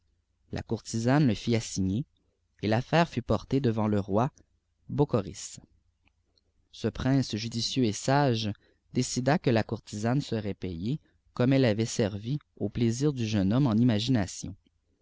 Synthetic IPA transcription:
lʔa̰kuʁt̪izanləfiasiɲeː | lafɛːʁfypɔʁt̪ed̪əvɑ̃ləʁwa | bokɔʁḭs | səpχɛ̃ːsʒyd̪isjøesaʒ | d̪esid̪akəlakuʁt̪ʰizansəʁɛpɛje | kɔmɛlːavɛsɛʁviopleziːʁd̪yʒœnɔmɑ̃nimaʒinasjɔ̰̃

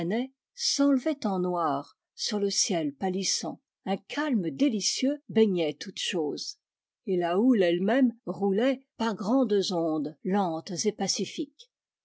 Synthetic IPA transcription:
nɛ | sɑ̃lvɛt̪ɑ̃nwaːʁ | syʁləsjɛlpalisɑ̃ | ɛ̃kʰalmd̪elisjøbɛɲɛt̪ut̪ʃoːz | elaulɛlmɛmʁulɛpaʁɡʁɑ̃d̪zɔ̃d̪lɑ̃t̪zepasifik

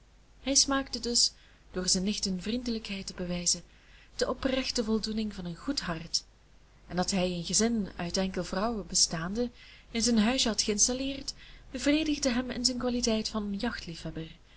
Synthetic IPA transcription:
ɦɛjsmaːktədɵs | d̥ʊːrzɛnːɪxtənvrindələkɦɛjtəbəʋɛjzə | d̥əʔɔprɛxtəvɔlˠdunɪŋvɑnənɣutɦɑrt | ɛndɑtɦɛjənɣəzɪnœɥtɛŋkəlˠvrɑwəbəstaːndəɪnzɛnɦœɥzəɦɑtxəɪnstalɪːrtb̥əvreːdəɣdəɦɛmɪ̰nzɛnkʋaːlitɛjtfɑnənjɑxtlifhɛbər

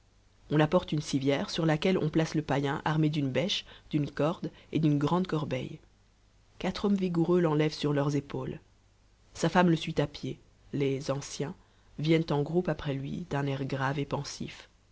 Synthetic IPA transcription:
ɔ̃lapɔʁt̪ynsivjɛʁsyʁlakʲɛlɔ̰̃plasləpajɛ̃ʔaʁmed̪ynbɛʃd̪̥ynkɔʁd̪ed̪ynɡʁɑ̃d̪kɔʁbɛ̰j | kat̪χɔmviɡuʁølɑ̃lɛvsyʁlœʁzepol | safamləsɥit̪apje | lezɑ̃sjɛ̃ | vjɛnt̪ɑ̃ɡʁupapχɛlɥḭd̪ɛ̃nɛʁɡʁavepɑ̃sḭf

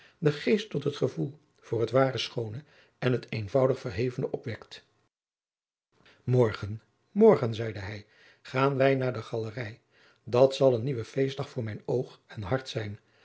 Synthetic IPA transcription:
dəχejstɔtɦətχəvulˠ | v̥ʊːɹɦətʋaːrəsχownə | ʔɛnɦətejnvʌwdəχfəɹɦejvənəʔɔpʋɛkt | mɔɹχən | mɔɹχənzɛjdəɦɛj | χaːnʋɛjnaːɹdəχɑlərɛj | dɑtsɑlˠənːiʋəfejsdɑχfʊːɹmɛjnowχɛnɦɑɹtsɛjn

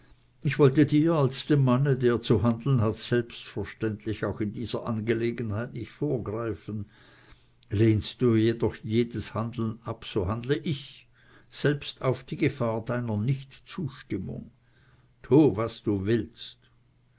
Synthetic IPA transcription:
ʔɪçv̥ɔltədiːɐalsd̥eːmːanədeːɐt͡suɦandl̩n̩ɦatsɛlpstfəɐʃtɛntlɪçaʊxɪndiːz̥ɐ̰ʔanɡəleːɡənhaɪtnɪçtfoːɐɡʁaɪfn̩ | leːnstd̥uːjedɔχjeːdəshandl̩napsoːɦandləʔɪç | z̥ɛlpstʰaʊfd̥iːɡəfaːɐd̥aɪnɐnɪçtt͡suːʃtɪmʊ̰ŋ | tʰuːvasd̥uːvɪlst

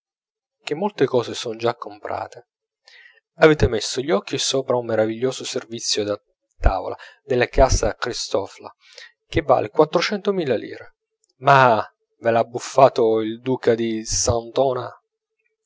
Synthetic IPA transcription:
k̟emːolt̪ekɔːzesɔnd͡ʒakːompɾa̰ːt̪e | aveːt̪emesːoʎːɔk̟ːisoːpɾaumːeɾaviʎːoːsoservit̪sːjod̪a | t̪a̰ːvo̰la̰d̪elːakaːsakɾist̪ɔfla̰ | k̟evːa̰ːlekwat̪ːɾot͡ʃɛnt̪omiːlːalḭːɾe | ma | velabːufːaːt̪oild̪uːkad̪isant̪ɔːna

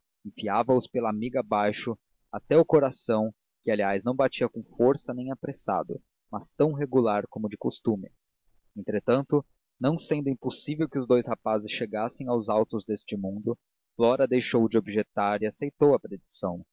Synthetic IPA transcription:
ẽfiavɐʊspelɐamiɡɐbajʃʊ | at̪ɛʊkoɾasɐ̃w̃ | kɪaliajznɐ̃w̃bat͡ʃiɐkõfoɾsɐnẽj̃apɾesa̰d̪ʊ̰ | mɐst̪ɐ̃w̃ɦeɡulaɾkõmʊd͡ʒɪkost̪ũmɪ | ẽnt̪ɾet̪ɐ̃nt̪ʊ | nɐ̃w̃sẽnd̪ʊĩmposivewkɪʊzd̪ojshapazɪsʃeɡasẽj̃awzawt̪ʊzd̪est͡ʃɪmũnd̪ʊ | flɔɾɐd̪ejʃowd͡ʒɪobɪʒet̪aɾɪasejt̪owɐpɾed͡ʒisɐ̰̃w̃

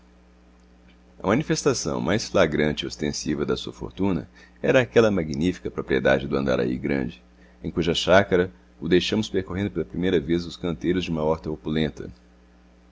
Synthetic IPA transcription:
ɐmɐ̃nifest̪asɐ̰̃w̃mʔajsflaɡɾɐ̃nt͡ʃɪiost̪ẽsivɐd̪ɐsuɐfo̰ɾt̪ũnɐ̰ | ɛ̰ɾɐːkɛlɐmaɡinifi̥kɐpɾopɾied̪a̰d͡ʒɪd̪ʊɐ̃nd̪a̰ɾa̰ḭɡɾɐ̰̃d͡ʒɪ | ẽkuʒɐʃakɐɾɐ | ʊd̪ejʃɐ̃mʊspeɾkoɦẽnd̪ʊpelɐpɾimejɾɐvezʊskɐ̃nt̪ejɾʊzd͡ʒɪũmɐɔɾt̪ɐopulẽnt̪ʰɐ̰

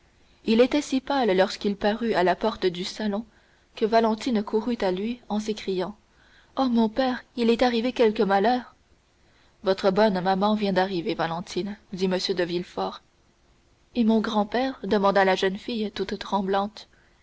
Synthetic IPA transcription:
ilet̪ɛsipalːɔʁskʲilpaʁyalapɔʁt̪d̪ysalɔ̃ | kəvalɑ̃t̪inkʰuʁyt̪alɥiɑ̃s̬ekχijɑ̃ | ɔmɔ̃pɛːʁilɛt̪aʁivekʲɛlkəmalœːʁ | vɔt̪χəbɔnmamɑ̃vjɛ̃d̪aʁivevalɑ̃t̪ʰind̪iməsjød̪əvilfɔːʁ | emɔ̃ɡʁɑ̃pɛːʁd̪əmɑ̃d̪alaʒənfijt̪ut̪t̪χɑ̃blɑ̃t̪

